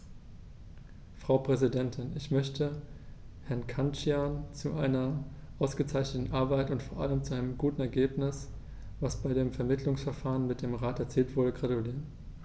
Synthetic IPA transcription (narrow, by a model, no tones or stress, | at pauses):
fʁ̥aʊpʁ̥ɛzidɛntʰɪnɪçmœçtʰə | hɛɐnkʰant͡ʃjaːnt͡suʔaɪnɐ | ʔaʊsɡ̥ət͡saɪçnətn̩ʔaɐbaɪtʊntfoːɐʔaləmt͡suaɪnəmɡuːtn̩ɛɐɡeːpnɪs | v̥asb̥aɪdeːmfɛɐmɪtʰlʊŋsfɛɐfaːʁənmɪt̚d̥eːmʁaːtɛɐt͡siːltv̥ʊɐdəɡʁatuliːʁən